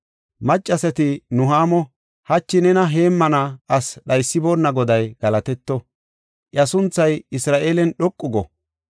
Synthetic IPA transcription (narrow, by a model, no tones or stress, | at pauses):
mɐt͡ʃʼːɐsɛt̪ɪnʊɦaːmɔ | hɐt͡ʃːɪnɛnɐɦe̞ːmːɐnɐɐsɗɐjsːɪboːnːɐɡɔd̪ɐjɡ̥ɐlɐt̪ɛt̪ːɔ | ʔɐsʊnt͡sːɐjɪsɾaːʔeːlɛnɗɔkʼːʊɡɔ